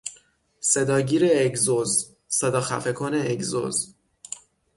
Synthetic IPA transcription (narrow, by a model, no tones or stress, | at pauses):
se̞d̪ɒːɟiːɾeːɡzoz | se̞d̪ɒːxæ̰fekʰoneːɡzo̰z